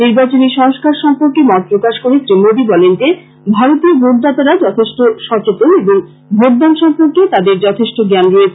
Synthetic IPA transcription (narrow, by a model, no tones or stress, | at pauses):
niɾbat͡ɕoniʃɔŋskaɾʃɔmpoɾkemɔɾ̚pɾokaʃkoɾesɾimobibɔlenʈe | bʱaɾot̪ieɾbʱoʈd̪at̪aɾad͡ʑɔt̪ʰeʃʈoʃɔt͡ɕot̪oeboŋ | bʱoʈ̚d̪anʃɔmpoɾket̪ad̪eɾd͡ʑɔt̪ʰeʃʈoɡɛnɾoe